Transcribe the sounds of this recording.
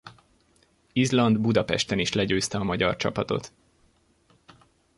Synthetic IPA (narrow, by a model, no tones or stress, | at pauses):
izlɒnd̪bud̪ɒpɛ̰ʃt̪ɛniʃlɛɟøːst̪ɛɒmɒɟɒ̰rt͡ʃɒ̰pɒt̪o̞̰t̪